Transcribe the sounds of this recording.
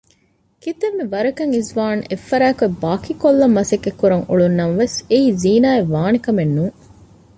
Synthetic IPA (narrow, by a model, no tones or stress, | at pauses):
kit̪emːiʋɐɾɐkɐŋizʋaːnefːɐɾæːkuebaːkikolːɐmːɐsɐkːekːuɾɐŋuɭunːɐmɐʋeseiːziːnaːeʋaːnikɐmenːuŋ